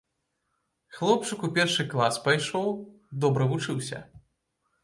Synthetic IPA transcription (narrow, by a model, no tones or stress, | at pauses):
xlˠɔp̚t͡ʂɨkupʲɛrʂɨklˠaspajʂɔw | d̪ɔbɾɐvut͡ʂɨwsʲɐ̰